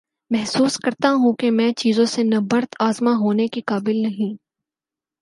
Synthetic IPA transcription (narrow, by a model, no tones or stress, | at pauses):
mɛɦsuːskɐɾt̪aɦũkemɛ̃ːt͡ʃiːzõsenɐbɐɾt̪aːzmaɦoːnekikaːbɪlnɐɦĩː